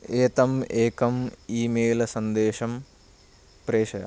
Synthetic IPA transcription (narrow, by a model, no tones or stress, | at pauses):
eːt̪ɐmeːkɐmiːmeːlɐsɐnd̪eːʂɐm | pɾeːʃɐjɐ̰